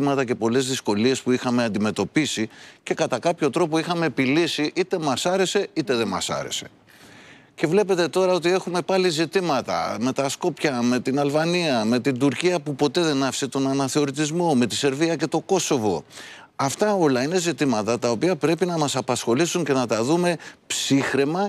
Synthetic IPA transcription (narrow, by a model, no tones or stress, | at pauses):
mɐt̪ɐce̞po̞le̞zðisko̞lie̞spuixɐme̞ɐnd̪ime̞t̪o̞pisice̞kɐt̪ɐkɐpço̞t̪ɾo̞po̞ixɐme̞ːpilisiʔit̪e̞mɐsɐɾe̞se̞it̪e̞ðe̞mɐ̰sɐ̰ɾe̞̰se̞̥ | ce̞vle̞pe̞t̪e̞t̪o̞ɾɐo̞t̪ie̞xume̞pɐlizit̪imɐt̪ɐ̰me̞t̪ɐsko̞pçɐme̞t̪inɐlvɐniɐme̞t̪ind̪uɾciɐpupo̞t̪e̞ðe̞nɐfi̥set̪o̞nɐnɐθe̞o̞ɾit̪̬izmo̞me̞t̪ise̞ɾviɐce̞t̪o̞ko̞so̞vo̞ | ɐft̪ɐo̞lɐine̞zit̪imɐt̪ɐt̪ɐo̞piɐpɾe̞pinɐmɐsɐpɐsxo̞lisuɲce̞nɐt̪ɐðume̞psixɾemɐ